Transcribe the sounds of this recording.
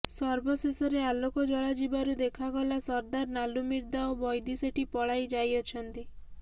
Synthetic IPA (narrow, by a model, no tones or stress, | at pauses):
sɔɾbɔsesɔɾealokɔd͡ʒɔɭad͡ʒibaɾud̪ekʰaɡɔlasɔɾd̪aɾnalumiɾd̪aobɔjd̪iseʈʰipɔɭajd͡ʒajɔt͡ʃʰɔnt̪i